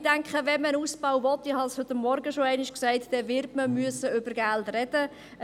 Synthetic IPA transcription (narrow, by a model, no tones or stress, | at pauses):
d̥æŋkχəʋɛmənuːsb̥aʊvɔt̪ːɪhɑshʏt̪ːəmːɔɾɡəʃoæɪnɪʃksæɪtd̥ɛʋɪɾtməmyəsəʏbəɾɡæltrɛd̥ə